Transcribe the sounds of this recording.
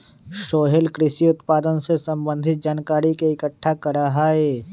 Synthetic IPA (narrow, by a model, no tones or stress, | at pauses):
ʃoːɦelkɾɪʃiʊt̪paːd̪ənsesɐ̃mbə̃nd̪ʱɪt̪̚d͡ʒaːnkaːɾikeɪkəʈʰːakɐɾaɦaɦeː